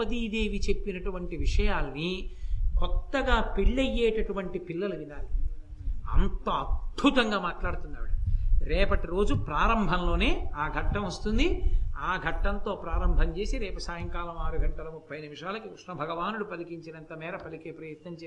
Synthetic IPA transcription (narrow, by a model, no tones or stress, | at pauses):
ɐd̪iːd̪eːʋit͡ʃe̞pːinɐʈuʋɐɳʈiʋiʂɐjaːlɐnikɔt̪ːɐɡaːpiɭːɐjːeːʈɐʈuʋɐɳʈipilːɐluʋinaːli | ɐ̰nt̪ɐɐd̪̚bʱut̪ɐŋɡaːmaːʈlaːɽut̪unːaːʋɽɐɾɛːpɐʈiɾo̞ːd͡ʒupɾaːɾɐmbʱɐnlo̞ːne̞ːaːɡʱɐʈːɐmʋɐst̪und̪iaːɡʱɐʈːɐnt̪o̞ːpɾaːɾɐmbʱɐɲt͡ʃe̞ːsiɾeːpɐsaːjɐŋkaːlɐmaːɾuɡʱɐɳʈːɐlɐmupʰːɐjɐnimiʂaːlɐkikɾuʂɳɐbʱɐɡɐʋaːnuɽupɐlikiɲt͡ʃinɐnt̪ɐmɛːɾɐpɐlikeːpɾɐjɐt̪nɐɲt͡ʃe